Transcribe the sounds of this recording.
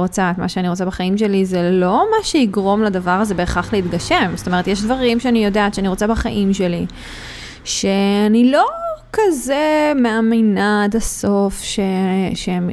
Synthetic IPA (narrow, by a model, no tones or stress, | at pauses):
ot͡sat̪maʃeaniʁo̞t͡sabeχaimʃ̬e̞lizelo̞maʃeiɡʁo̞mlad̪avaʁazebe̞ːχaχleit̪ɡaʃe̞mzot̪o̞me̞e̞t̪jeʃ̬d̪vaʁimʃeanijo̞daːʃeaniʁo̞t͡sabaχaʔimʃeli | ʃeanilo̞kazemeaminad̪aso̞fʃeʃeem